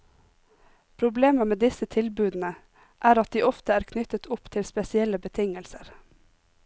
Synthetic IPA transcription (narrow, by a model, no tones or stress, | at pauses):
pʰɾʊbleːməmeːd̪ɪsət̪ʰɪlbʉːd̪n̩ə | ʔæːɾɑt̪̚d̪iːʔɔft̪əæːɾkʰnʏt̪ət̪ʰʊpt̪ʰɪlspɛsɪɛləbət̪ʰɪŋəlsəɾ